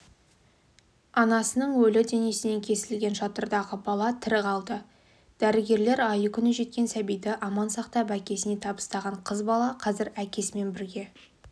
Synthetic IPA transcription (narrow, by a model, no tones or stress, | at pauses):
ɑnɑsənəɴwɵlɪd̪e̞nesɪne̞ŋkʲʰe̞sɪlɡʲe̞nʃɑt̪əɾd̪ɑʁəbɑlˠɑt̪ʰɪɾɪqʰɑlˠd̪ə | d̪̥æɾɪɡʲe̞ɾle̞ɾɑjəkʲʰʏnɪʒe̞t̪kʲe̞nsæbijd̪ɪʔɑmɑnsɑqt̪ɑbækʲe̞sɪne̞t̪ʰɑbə̥st̪ɑʁɑɴqʰəzbɑlˠɑqʰɑzɪɾækʲe̞sme̞nbɪɾɡʲe̞